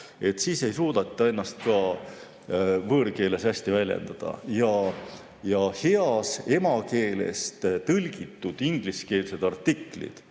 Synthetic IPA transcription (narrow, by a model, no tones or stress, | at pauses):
e̞t̪ːsiːse̞jsuːd̪̥ɑt̪ːˑɑenːɑst̪̚kɑ | vɤːrke̞ːle̞sæsʲt̪ivælʲjḛnd̪̥ɑd̪̥ɑ̰jɑ | jɑhe̞ɑse̞mɑke̞ːle̞̰st̪t̪ɤlʲɡit̪ˑːud̪̥iŋɡ̥liske̞ːlse̞d̪̥ɑrt̪ːiklḭd̪̥